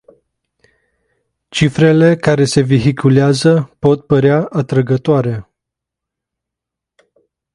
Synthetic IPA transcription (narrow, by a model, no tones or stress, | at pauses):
t͡ʃifɾe̞le̞kaɾe̞se̞viɦikʰuleazəpo̞t̪̚pəɾeaʔat̪ɾəɡət̪oaɾe̞